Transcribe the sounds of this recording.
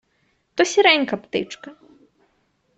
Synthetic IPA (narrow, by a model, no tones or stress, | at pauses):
t̪ɔsʲiɾɛnʲkɐpt̪ɪ̰t͡ʂkɐ